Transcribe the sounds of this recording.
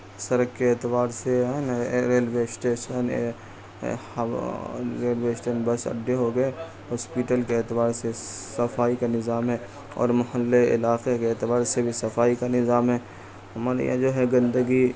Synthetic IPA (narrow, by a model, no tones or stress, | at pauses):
sɐɾəkkeeːt̪ɪbaːɾsenɾeːlweːsʈeːʃən̰ | h | ɾeːlʋeːsʈənbəsɐ̰ɖːeɦoɡəe | ɦɔːspiːʈəlkeeːt̪ɪbaːɾsesɐfaːikanɪzaːmɦɛː | ɔ̰ːɾmɐhəlːeɪ̰laːqekeeːt̪ɪbaːɾsebʱisɐfaːikanɪzaːmɦɛː | ɦɐmaːɾ̰jã̰d͡ʒoːɦɛɡɐ̃nd̪əɡi